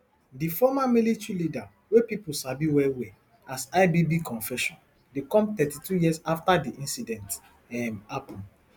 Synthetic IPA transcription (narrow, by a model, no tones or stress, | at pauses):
difɔmamilitɹilida | wepipuʃabiwɛwe | asaɪbibikʰɔ̃nfɛʃɔ̃n | dekɔ̃mt̪ɛtitujisaftadiʔĩnsidɛ̃nt | ɛmapɔ̃n